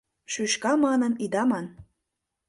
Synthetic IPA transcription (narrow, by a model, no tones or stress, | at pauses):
ʃyʃkɑmɑnənid̪ɑmɑn